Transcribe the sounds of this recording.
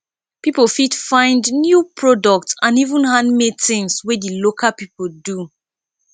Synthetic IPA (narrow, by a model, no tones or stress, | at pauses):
pipolfitfãɪ̃ndnjupʰɹɔdɔk̚tsãnivũnhãnmedθĩnswedilokʰapipoldu